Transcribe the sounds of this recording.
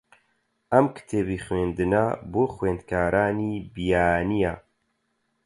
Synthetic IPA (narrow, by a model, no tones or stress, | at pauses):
ʔɐmkʰɨ̥t̪ʰeːbixweːnd̪ɨnaːboːxweːnd̪̚kʰaːɾaːniːbijaːnijaː